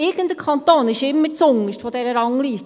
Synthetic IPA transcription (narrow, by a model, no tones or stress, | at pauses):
ɪɡənt̪dəkʰɑnt̪oːnɪʃɪmːət͡sʊŋəʃtfɔdɛɾəɾɑŋliːs